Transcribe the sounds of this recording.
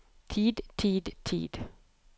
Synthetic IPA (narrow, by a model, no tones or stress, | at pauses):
t̪ʰiːd̪t̪ʰiːd̪t̪ʰḭːd̪̥